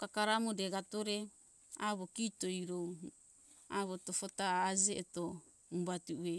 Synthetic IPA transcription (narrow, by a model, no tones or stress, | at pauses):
kakaɾamodeɡatoɾe̞ | aβokitojɾow | aβotofotaːd͡ʒeʔeto | ubatue